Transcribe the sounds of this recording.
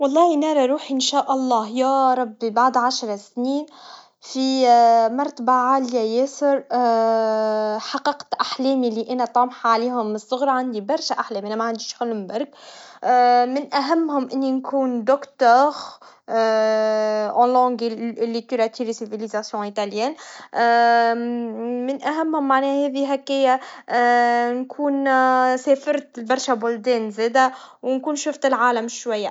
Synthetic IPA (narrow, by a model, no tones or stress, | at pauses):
wɑlˤːɑːhinɑːɾˤɑɾˤuːħiʔɪnʃæːʔɑlˤːɑːhjɑɾˤɑbːibaʕd̪ʕaʃɾˤɑsniːn | fimɑɾˤt̪baʕaːljæjeːsəɾ | ħɑqːɑqt̪ʔaħlɛːmilːiʔænæt̪ˤɑːmħʕaliːhʊmːɪsˤːʊɣɾˤɑʕand̪ibɑɾˤʃæʔaħlɛːmʔænæmæʕand̪iːʃxælmbæɾˤɡ | mɪnʔæɦæmːhʊmʔɪnːinkʰuːnd̪ʊkt̪œːɣ | ʔɑ̃lɑ̃ɡilːit̪yɾat̪iɾisivilizasjɔ̃it̪aljɛːn | mɪnʔæɦæmːhʊmːaʕnɛːhɛːðiɦækːɪjːæ | nkʰuːnsɛːfɑɾt̪lbɑɾˤʃabʊld̪ɛːnzɛːd̪æ | wnkuːnʃʊft̪ɪlʕaːlæmʃwajːa